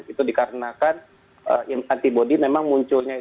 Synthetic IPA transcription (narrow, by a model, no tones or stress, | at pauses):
it̪udikaɾənakan | əŋant̪ibodimemaŋmuɲt͡ʃʊlɲai